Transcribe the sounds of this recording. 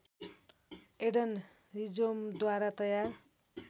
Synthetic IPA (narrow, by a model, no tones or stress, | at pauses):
eɽʌn | rid͡zomd̪waɾat̪ʌjar